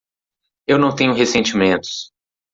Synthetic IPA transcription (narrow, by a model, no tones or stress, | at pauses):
ewnɐ̃w̃t̪ẽɲʊɦesẽnt͡ʃimẽnt̪ʊ̥s